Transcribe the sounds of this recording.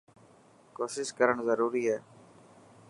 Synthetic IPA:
koːsɪʃkəɾəɳzəɾuːɾiːɦɛː

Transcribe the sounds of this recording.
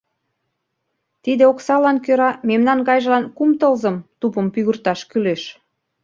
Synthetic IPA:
t̪id̪eoksɑlɑnkøɾɑmemnɑnɣɑjʒəlɑnkumt̪əlzəmt̪upəmpyɣərt̪ɑʃkyleʃ

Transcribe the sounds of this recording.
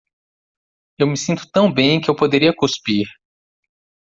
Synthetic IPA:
ewmɪsĩnt̪ʊ̥t̪ɐ̃w̃bẽj̃kɪewpod̪eɾiɐkuspiɾ

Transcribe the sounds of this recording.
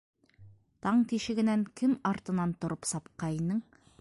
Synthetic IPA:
t̪ʰɑɴt̪iʃɘ̆ɡɘ̆næŋkʰɘmɑɾt̪ɤ̆nɑnt̪ŏɾʔɤpsɑpqɑjnɤɴ

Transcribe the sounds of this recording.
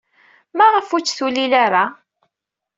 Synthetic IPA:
maʁəfut͡sːθulilaɾa

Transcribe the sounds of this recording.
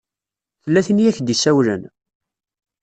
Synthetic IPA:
θəlːæθinijæçd̪isæwlə̰n

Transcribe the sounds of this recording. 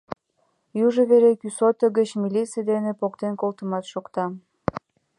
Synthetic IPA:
juʒəβeɾekysot̪əɣət͡ɕmilʲit͡sijəd̪enepokt̪enkolt̪ə̆mɑt̪ʃokt̪ɑ

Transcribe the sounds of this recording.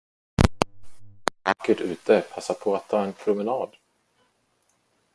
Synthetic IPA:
vakːəʈʉ̟ːt̪əpʰasːaɾpʰɔat̪ʰːɑːɛnpʰɾʊmɛnɑːd̪

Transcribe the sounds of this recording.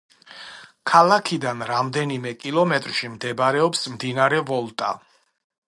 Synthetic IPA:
kʰalˠakʰid̪anɾamd̪ɛnimɛkʼilˠɔmɛt̪ʼɾʃimd̪ɛbɾɛɔpsmd̪inaɾɛvɔlˠt̪ʼa̰

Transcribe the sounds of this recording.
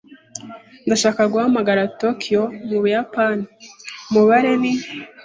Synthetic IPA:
ndaʃaːkaɡuhamaɡaɾatokʰijomuβujapanimuβaɾe̞ni

